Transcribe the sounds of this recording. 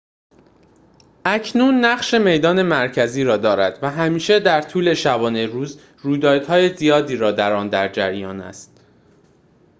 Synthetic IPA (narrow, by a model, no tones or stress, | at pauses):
ʔæcʰnuːnːæχʃe̞me̞jd̪ɒːne̞mæɾcʰæziːɾɒːd̪ɒːɾæd̪̥væɦæmiːʃe̞d̪æɾt̪ʰuːle̞ʃæbɒːne̞ɾuːz | ruːjd̪ɒːd̪̥hɒːje̞zijɒːd̪iːɾɒːd̪æɾɒːnd̪æɾd͡ʒæɾjɒ̰ːnæ̰st̪̚